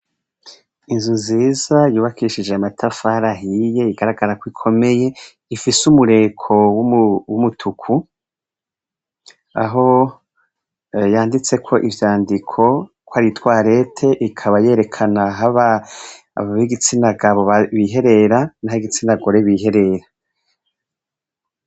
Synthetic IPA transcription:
inzunziːzajuːβakʰiʃid͡ʒeamatʰafaɾaɦije̞iɡaɾaɡaɾakwikʰo̞me̞je̞ | ifisumuɾe̞kʰo̞wuwumutʰukʰu | a̰ɦo̞ | jaːndit͡se̞kʰo̞ʔivjaːndikʰo̞ | kwaɾitwaːɾe̞tʰe̞ʔikʰaβaje̞ɾe̞kʰanaɦaβa̰ː | βaβiiɡit͡sinaɡaβoβaβiɦe̞ɾe̞ɾanahaiɡit͡sinaɡo̞ɾe̞βiːɦe̞ɾe̞ɾa

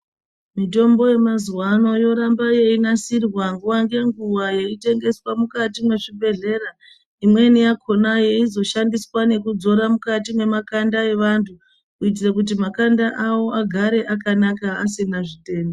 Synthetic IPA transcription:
mito̞mbo̞je̞mazuwano̞jo̞ɾambaje̞inasirwaŋɡuwaŋɡe̞ŋɡuwaje̞ite̞ŋɡe̞swamukatimwe̞ʐibʱe̞ɮe̞ɾa | imwe̞nijakʰo̞naje̞izo̞ʃandiswane̞kud͡zo̞ɾamukatimwe̞makandae̞ʋantʰu | kuit̬irakut̬imakandaʔawo̞aɡʱaɾe̞ʔakanakaas̬inaʐite̞ːndo

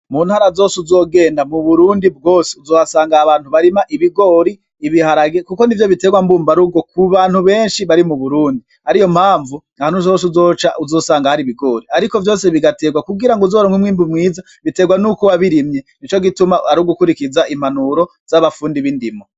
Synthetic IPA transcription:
muːn̥haːɾazoːsuzo̞ːɡe̞ːndamuβuɾuːndib̚ɡo̞ːseuzoːβasaːŋɡaːβaːn̥huβaɾimaʔiβiɡo̞ɾiː | βihaɾaɡekukonivjoβiteɡwambuːmbaɾuɡokuβaːn̥huβe̞ːnʃiβaɾimuβuɾuːndi | haɾijo̞m̥haːɱvu | ahanhuzo̞ːs̬uzo̞ːt͡ʃaʔuzo̞ːsaːŋɡahaɾiβiɡo̞ɾiaɾiko̞vjo̞ːseβiɡate̞ɡwakuɡiɾaŋɡozoːɾoŋwimwiːmbumŋiːza | βite̞ːɡwanukuβaβiɾimɲenit͡ʃo̞ɡitumaaɾuɡukuɾikizaʔim̥anuɾo̞ | z̥aβafuːndiβindimo

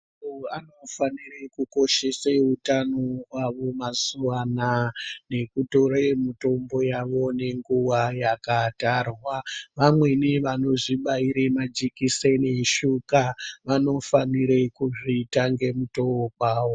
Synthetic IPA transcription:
uanofanirekuko̞ʃe̞seutanoɦwaʋomazuwanane̞kuto̞ɾemito̞mbo̞jaʋo̞ne̞ŋɡuwajakatarwaʋamwe̞niʋano̞ʐiɓaiɾemad͡ʒikiseneʃukaʋano̞faniɾekuʐiːtaŋɡe̞mutookaːwo

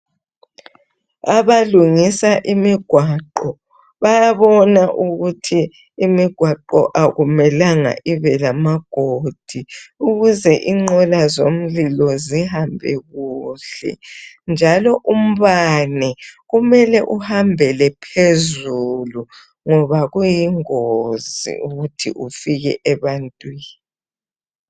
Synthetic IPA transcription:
aβaluŋisaʔimiɡ̥ʱwaǃɔ | βajaβɔnaʔuɣutʰiː | miɡ̥ʱwaǃɔ̰ʔaɣumɛlaŋa̰ʔiβɛlamaɡ̥ʱod̥ʱiuɣuzɛʔiŋ͡ǃɔlazom̩lilɔzihambʱɛ̰ɣuɬɛ̰ | nd͡ʒʱalɔʔum̩βanɛɣumɛlɛʔuhambʱɛlɛpʰezulu | ŋɔβaɣujiŋozḭuɣutʰḭʔufiɣɛ̰ʔɛβantʼwiːn | iii

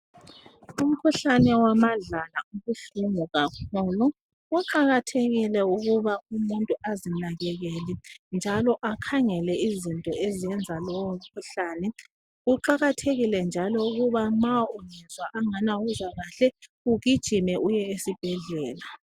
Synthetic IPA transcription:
um̩kʰuɬanɛwamaɮalauɣuɬuŋuɣakʰuːlu | uǃaɣatʰeɣilɛuɣuβaumuntʼuʔazinaɣɛɣɛlind͡ʒʱalɔʔakʰaŋɛlɛizintʼɔeziɛnd͡zʱalɔwom̩kʰuɬaːnɛ | uǃaɣatʰeɣilɛnd͡ʒʱalɔuɣuβamaunɛzwaʔaŋanawuzwaɣaɬɛ | uɣid̥ʒ̥ʱimɛʔujɛesib̥ʱɛɮɛːla

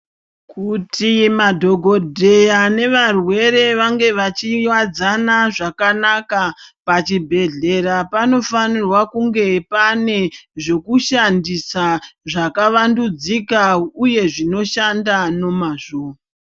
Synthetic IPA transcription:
kutimadʱo̞ɡʱo̞dʱe̞jane̞ʋarwe̞ɾe̞ʋaŋɡe̞ʋat͡ʃiɲwad͡zanaʐakanakapat͡ʃibʱe̞ɮe̞ɾapano̞fanirwakuŋɡe̞pane̞ʐe̞kuʃandisaʐakaʋandud͡zikauje̞ʐino̞ʃandano̞maʐoːa

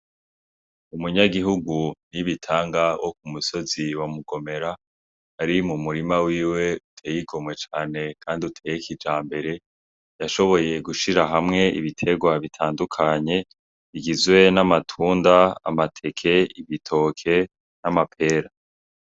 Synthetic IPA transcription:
umuɲaɡiɦuɡuniβitʰaːŋɡawʔo̞k̚umuso̞ziwamuɡo̞me̞ɾa | haɾimumuɾimawiːwe̞utʰeːjiɡo̞mwe̞t͡ʃaːne̞kʰaːndiutʰeːjekid͡ʒaːmbe̞ɾe̞ | jaʃo̞βo̞je̞ɡuʃiɾaɦamŋe̞ʔḭβitʰe̞ɡwaβitʰaːndukʰaɲe̞ | βiɡizwe̞namatʰuːndaa̰matʰe̞kʰe̞iβitʰo̞ːkʰe̞ | namapʰe̞ːɾa

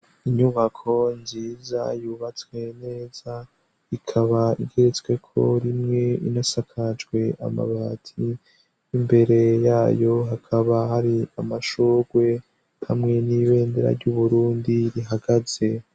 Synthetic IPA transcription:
iɲuβakʰo̞nziːza̰juβat͡swe̞ne̞ːz̥a | ikʰaβaiɡe̞ɾet͡swe̞kʰo̞̰ɾimŋe̞ḭnasakʰad͡ʒɡwe̞ʔa̰ma̰βaːtʰi | imbe̞ɾe̞jaːjo̞ɦakʰaβahaɾiamaʃuɡ̥we̞ | hamŋe̞niβe̞ːndeɾa̰ɾɟuβuɾuːndiɾiɦaɡaz̥e̞

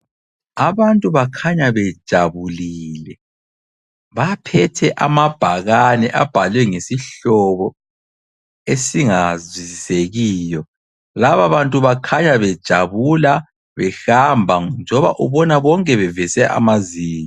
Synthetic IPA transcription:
aβantʼuβakʰaɲaβɛd̥ʒ̥ʱaβuliːlɛ | βapʰɛtʰɛʔamab̥ʱaɣanɛʔab̥ʱalwɛŋesiɬɔβɔ | esiŋazwiziseɣiːjɔ | laβaβantʼuβakʰaɲaβɛd̥ʒ̥ʱaβula | βɛxambʱand͡ʒʱɔβa̰ʔuβɔnaβɔŋkʼɛβɛvɛsɛʔa̰maziːɲa

